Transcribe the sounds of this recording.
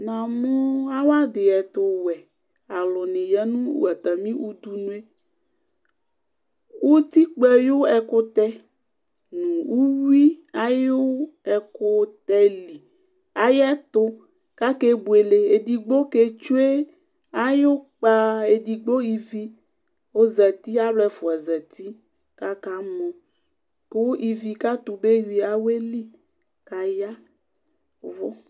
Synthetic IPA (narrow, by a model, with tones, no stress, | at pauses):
nã˨mɔ̃˦a˦wa˦d̪ɪ˨ɛ˨t̪ʊ˨wɛ˨ | a˨lɔ˨nɪ̃˨jɛ˦nũ˦wṵ˦a˨t̪a˨mĩ˦ʔu˦d̪u˦nũ˦e˦ | wo˦t̪i˦k͡pɛ˨jo˦ɛ˨kʊ˦t̪ɛ˦ | nũ˨wu˦wi˦a˦jo˦ɛ˨kʊ˦t̪ɛ˦li˨ | a˦jɛ˦t̪ʊ˦ | ka˦ke˦bu˨e˨le˨e˨di˨ɡ͡bo˦ke˦t͡ʃu˦e˦ | a˦jo˦k͡pa˦e˨di˨ɡ͡bo˦i˨vi˦ | wo˦zɛ˨t̪i˦a˦blɛ˦˨fu˨a˨zɛ˨t̪i˦ | ka˦ka˦mɔ̃˨ | ko˦wo˦ʔi˨vi˨ka˦t̪u˨be˦wi˨a˦we˦li˦ | ka˨ja˦ | vɔ˦